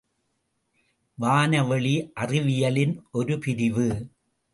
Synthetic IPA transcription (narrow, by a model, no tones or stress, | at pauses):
ʋaːnɐʋɛɭiʔɐrɪʋɪjɐlɪnɔɾɯpɪɾɪʋɯ